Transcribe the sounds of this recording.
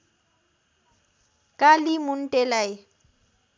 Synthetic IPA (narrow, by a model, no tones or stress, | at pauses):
kʼalimʊn̩tʼɛlaj